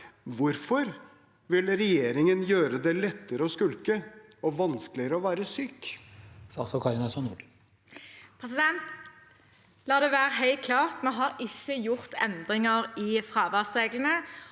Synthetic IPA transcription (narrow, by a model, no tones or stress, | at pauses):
ʋʊɾfɔɾ | ʋɪlɾɛjeːɾɪŋənjøːɾəd̪ɛlɛt̪ːəɾəɔskʉlkəɔʋɑnsklɪəɾəɔʋæːɾəsyːk | sɑsɔkʰɑɾɪnɑsɔnuːɖ | pʰʁɛsɪd̪ɛnt̪ | lɑːd̪eːʋæːɾəɦɛɪlt̪̚kʰlɑːʁt̪mɛnɦɑːɾɪçːəjʊʁt̪ɛ̰nd̪ʁɪŋəʁɪːfʁɑːʋɑsʁeːɡlən̩ə